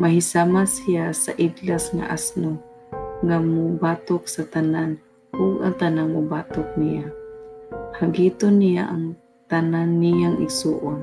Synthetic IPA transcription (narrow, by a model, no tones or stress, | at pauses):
maɦisamasijasa̰ʔidlasŋa̰ʔa̰sno | ŋamʊbat̪ʊksat̪anan | ʊɡaŋt̪ananmʊbaːt̪ʊk̚nija | haɡiːt̪onːijaʔaŋ | t̪ananːijaŋɪɡsuːʔʊn